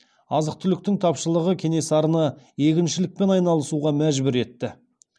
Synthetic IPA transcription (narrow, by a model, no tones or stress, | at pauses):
ɑzəq̚t̪ʰʏlɪk̚t̪ɪŋt̪ʰɑpʃəlˠəʁəkʲʰe̞ne̞sɑɾənɑ | je̞kʲɪnʃɪlɪk̚pe̞nɑjnɑlˠəsuʁɑmæʒbʊɾe̞t̪ːɪ